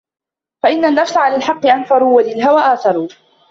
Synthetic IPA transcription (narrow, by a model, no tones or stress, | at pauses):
faʔɪnːanːafsaʕalaːlħɑqːɨʔanfɑɾˤuːwalɪlɦawaːʔaːθɑɾˤuː